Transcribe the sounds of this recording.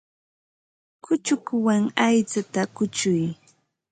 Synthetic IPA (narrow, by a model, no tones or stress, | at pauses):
kʊt͡ʃʊkwaŋajt͡sat̪akʊt͡ʃʊj